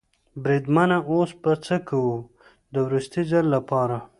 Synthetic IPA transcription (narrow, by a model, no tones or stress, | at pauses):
bɾid̪manaosbat͡səkawu | d̪əwɾust̪izalːapɑɾa